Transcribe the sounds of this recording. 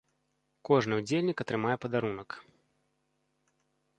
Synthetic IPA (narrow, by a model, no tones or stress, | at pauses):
kɔʐnɨud͡zʲelʲnʲikɐt̪ɾɨmajɛpɐd̪aɾunɐk